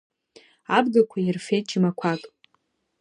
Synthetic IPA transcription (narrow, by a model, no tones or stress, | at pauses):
ab̚ɡakʷʰairfejtʼt͡ʃʰimakʷʰakʼ